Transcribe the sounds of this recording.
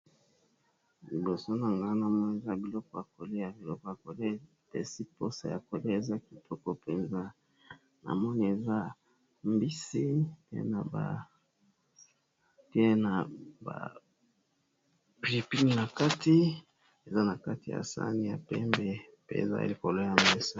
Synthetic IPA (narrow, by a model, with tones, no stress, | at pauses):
li˨bo˨so˦na˨ŋɡa˦na˨mɔ˦ni˨e˨za˦bi˨lɔ˦kɔ˨a˨ko˨li˦ja˨bi˨lɔ˦kɔ˨a˨ko˨le˦ | tḛ˨si˦po˦sa̰˦˨ja̰˨ko˨le˦e˨za˦ki˨tʰɔ˦kɔ˦pe˨nza˦ | na̰˨mɔ˦ni˦e˨za˦ | mbi˦si˦tḛ˦na˨ba̰˨ | te˦na˨ba̰˨ | pli˨pi˦n˨na˨ka˦ti˦ | e˨za˦na˨ka˦ti˨ja̰˨sa̰˦ni˦ja̰˨pɛ̰˦mbɛ˦ | pḛ˦ḛ˨za̰˦ḭ˦li˨ko˨lo˦ja˨me˦so˦